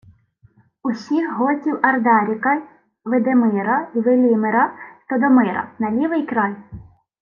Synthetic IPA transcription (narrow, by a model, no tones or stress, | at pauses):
usʲixɦɔtʲiwɐrd̪ɑɾʲikɐ | ʋɪd̪emɪɾɐiʋɪlʲimeɾɐt̪ɔd̪ɔmɪɾɐ̰nɐlʲiʋɪjkɾɑj